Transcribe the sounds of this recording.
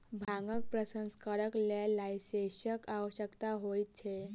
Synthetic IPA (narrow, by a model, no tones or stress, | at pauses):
bʱaŋɡək̚pɾəsə̃nskəɾəklalaiseɕəkaʋəɕəkt̪aɦojt̪t͡ɕʰe